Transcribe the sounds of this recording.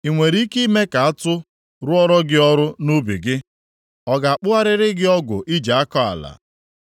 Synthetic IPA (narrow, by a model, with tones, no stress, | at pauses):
i˨ŋʷe˨ɾi˦ki˦me˦ka˨a˦tʊ˦ | ɾʊ˦ɔ˦ɾɔ˦ɡɪ˦ɔ˦ɾʊ˦nu˦bḭ˨ɡɪ˦ | ɔ˨ɡa˨a˨k͡pʊ˦a˦ɾɪ˦ɾɪ˦ɡɪ˦ɔ˦ɡʷʊ̰˨ʔi˦d͡ʒa˨a˦kɔ˦a̰˨la̰˨